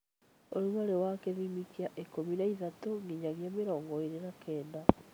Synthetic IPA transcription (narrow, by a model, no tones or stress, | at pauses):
oɾwaɾewakeðimikiaʔekominaiðatoŋɡiɲaɣiameɾɔːŋɡɔeɾenakɛːnda